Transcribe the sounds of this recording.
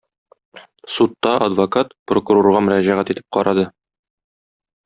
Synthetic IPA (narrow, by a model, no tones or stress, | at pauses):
sut̪ːɑʔɐd̪vokat̪prokuɾoɾʁɑmɵ̆ɾæʑæʁæt̪it̪ɘ̥p̚qɒɾɑd̪ɤ